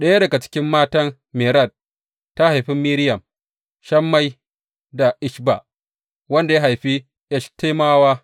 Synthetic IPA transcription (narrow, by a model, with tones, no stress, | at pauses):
ɗɐ˦ja˦dɐ˨ɡa˨t͡ʃɪ̥˦kʲɪ˦mːaː˦tɐ˦n | me˨ɾɐ˦˨d̚ | tːa˦ha˨jɸɪ˦mːiː˦ɾɪ˦jɐ˨m | ʃɐ˦mːa˦j | da˨ʔɪ˦ʃba˨ | wɐ˦nda˨ja˦ɦa˨jɸi˦ | ʔɛ˦ʃte˦maː˦waː˦